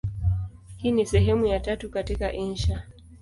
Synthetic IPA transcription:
hiːnisɛɦɛmujatatukatikaʔinʃa

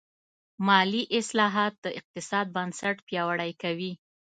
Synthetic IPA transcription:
mɑliʔɪslɑɦɑt̪̚d̪əɪq̚t̪ɪsɑd̪̚bansaʈpjɑwaɽajkawi

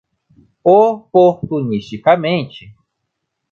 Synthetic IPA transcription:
opoht̪unist̪ikamẽnt͡ʃi

